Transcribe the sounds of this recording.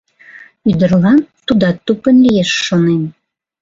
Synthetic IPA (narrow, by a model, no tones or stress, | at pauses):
yd̪ə̆rlɑnt̪ud̪ɑt̪upə̆nlijeʃːonen